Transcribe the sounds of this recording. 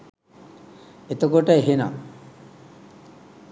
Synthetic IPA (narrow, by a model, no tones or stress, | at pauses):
et̪ɐkoʈɐeɦena̰